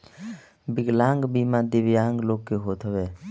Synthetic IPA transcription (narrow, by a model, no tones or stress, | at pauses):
biɡlaŋɡbimad̪ibijaŋɡlokːeɦot̪ʰɔβɛ